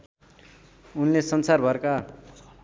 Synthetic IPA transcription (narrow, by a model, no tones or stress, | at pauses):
unlesʌnsarbʱʌrka